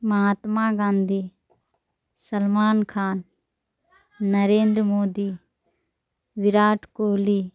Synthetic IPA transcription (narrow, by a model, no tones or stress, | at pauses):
mɐɦaːt̪maːɡãːnd̪ʱiː | sɐlmaːnkʰaːn | ɐɾeːnd̪ɾəmoːd̪iː | ʋɪɾaːʈkoːliː